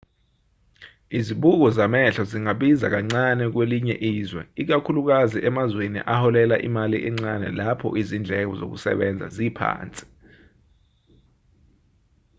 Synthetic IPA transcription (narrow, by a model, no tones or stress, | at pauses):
iziɓuk̬ɔzamɛɬɔziŋaɓiza̰k̬aŋ͡ǀanɛk̬weliɲɛʔiːzwɛ̰ik̬akʰuluk̬aziʔɛmazwenḭʔahɔlɛlaʔimaliʔɛŋ͡ǀanɛ̰lapʰɔ̰ʔizind͡ɮʱɛk̬ɔzo̰k̬ṵsɛ̰ɓɛnd͡zʱa̰zipʰa̰ːnt͡sʼi̥